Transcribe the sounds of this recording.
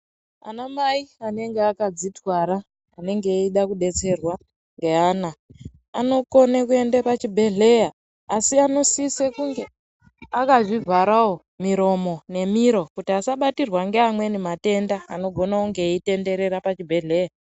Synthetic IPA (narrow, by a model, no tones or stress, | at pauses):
a̰namaiane̞ŋɡeakad͡zitwaɾaː | ne̞ŋɡeiɗakuɗe̞t͡se̞rwa | ŋɡe̞ana | ano̞ko̞nek̬ue̞ndapat͡ʃibʱe̞ɮe̞jaː | siano̞sisekuŋɡe̞ | akaʐivaɾawo | miɾo̞mo̞ne̞miɾo̞kutiasaɓatirwaŋɡeamwe̞nemate̞ndaːno̞ɡʱo̞nauŋɡe̞ːite̞nde̞ɾe̞ɾapat͡ʃibʱe̞ɮe̞ja